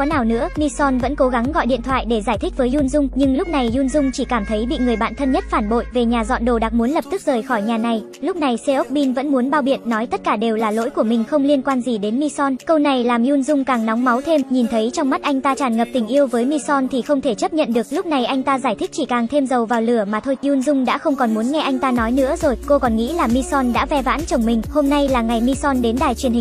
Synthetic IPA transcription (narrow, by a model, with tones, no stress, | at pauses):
ɔ˨˦naː˨˩wnɨ̰˧˥əmi˧sɔ˧nvə̰˧˥nko˨˦ɣa˨˦ŋɣɔ̰˧˨jɗḭ˧˨ənt̪ʰwa̰ː˧˨jɗe˧˩zaː˧˩jt̪ʰï˦˥k̟̚vəː˨˦jzu˧nzʊ˧ŋ͡mɲɨ˧ŋlʊ˦˥k͡p̚na˨˩jzu˧nzʊ˧ŋ͡mt͡ɕi˧˩kaː˧˩mt̪ʰə˨˦jɓḭ˧˨ŋɨ˨˩əjɓa̰ː˧˨nt̪ʰə˧nɲə˦˥t̚faː˧˩nɓo̰˧˨jve˨˩ɲaː˨˩zɔ̰˧˨nɗo˨˧˩ɗaː˨˩k̚mu˨˦ənlə˨˩p̚t̪ɨ˦˥k̚zəː˨˩jxɔ˧˩jɲaː˨˩na˨˩j | lʊ˦˥k͡p̚na˨˩jse˧ʔo˦˥k͡p̚ɓi˧nvə̰˧˥nmu˨˦ənɓaː˧wɓi˧˨ənːɔ˨˦jt̪ə˦˥t̚kaː˧˩ɗe˨˩wlaː˨˩lo̰˧˥jku˧˩əmï˨˩ŋ̟xə˧wŋ͡mli˧ənkwaː˧nzi˨˩ɗe˨˦nmi˧sɔ˧nkə˧wna˨˩jlaː˨˩mju˧nzʊ˧ŋ͡mkaː˨˩ŋnɔ˨˦wŋ͡mma˨˦wt̪ʰe˧mɲi˨˩nt̪ʰə˨˦jt͡ɕɔ˧wŋ͡mma˦˥t̚ʔa˧jŋ̟t̪aː˧t͡ɕaː˨˩nŋə˨˩p̚t̪ï˨˩ŋ̟ʔi˧əwvəː˨˦jmi˧sɔ˧nt̪ʰi˨˩xə˧wŋ͡mt̪ʰe˧˩t͡ɕə˦˥p̚ɲə̰˧˨nɗɨ˨˩ək̚lʊ˦˥k͡p̚na˨˩jʔa˧jŋ̟t̪aː˧zaː˧˩jt̪ʰï˦˥k̚t͡ɕi˧˩kaː˨˩ŋt̪ʰe˧mzə˨˩wvaː˨˩wlɨ˧˩əmaː˨˩t̪ʰo˧jʔu˧nzʊ˧ŋ͡mɗa̰ː˧˥xə˧wŋ͡mkɔ˨˩nmu˨˦nŋɛ˧ʔa˧jŋ̟t̪aː˧nɔ˨˦jnɨ̰˧˥əzo˨˩jko˧kɔ˨˩nŋḭ˧˥laː˨˩mi˧sɔ˧nɗa̰ː˧˥vɛ˧va̰ː˧˥nt͡ɕə˨˩wŋ͡mmï˨˩ŋ̟ho˧mna˧jlaː˨˩ŋa˨˩jmi˧sɔ˧nɗe˨˦nɗaː˨˩jt͡ɕwi˨˩ənhi˨˩